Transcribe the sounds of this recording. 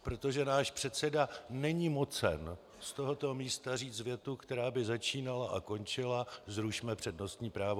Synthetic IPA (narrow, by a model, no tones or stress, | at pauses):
pɾo̞t̪o̞ʒɛnaːʃpr̥ɛt̪sɛdanɛɲiːmo̞t͡sɛ̰n | st̪o̞ɦo̞t̪o̞miːst̪ariːt͡svjɛt̪ukt̪ɛɾaːbɪzat͡ʃiːnalaʔa̰ko̞nt͡ʃɪlazɾuʃmɛpr̝̥ɛdno̞st̪ɲiːpɾaːvo